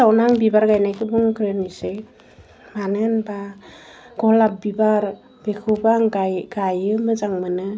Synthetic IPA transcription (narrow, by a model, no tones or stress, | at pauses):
sawnaŋbibaɾɡajnajkʰɯbuŋkɾɯnisɯj | manɯnba | ɡ̥ɔlap̚bibaɾ | b̥ekʰɯbaŋɡajɡajɯmɯzaŋmɯnɯ